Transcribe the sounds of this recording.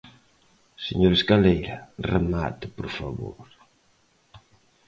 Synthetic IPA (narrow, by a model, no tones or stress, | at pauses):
seɲoɾeskalejɾɐremat̪ɪpoɾfaβo̰ɾ